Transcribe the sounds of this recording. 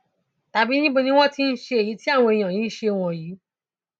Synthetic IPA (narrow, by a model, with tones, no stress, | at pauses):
ta˨bi˦nĩ˦bo˧nĩ˦w̃ɔ̃˦ti˦n̩˦ʃe˧e˨ji˨˦ti˦a˦˨w̃ɔ̃˧e˨j̃ã˨jĩ˨˦ʃe˧˨w̃ɔ̃˨jiː˨˦